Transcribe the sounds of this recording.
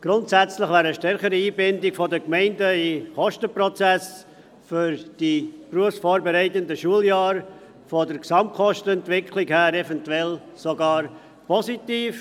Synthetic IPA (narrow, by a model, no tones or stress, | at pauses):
ɡ̥ɾʊntsæt͡slɪχvæːɾəʃtɛɾχəɾiiːbɪndɪkfɔdəkmɛɪndəɪχɔʃtəpɾɔt͡sɛs | fʏɾd̥ipruəfsfoːɾbɛɾɛɪtəndəʃuəljɑːɾ | fodəɾksɑmt̚kɔʃtənɛntvɪkʰlɪkhæːɾɛvɛntuɛl | soɡɑːɾ | pʰɔzitiːf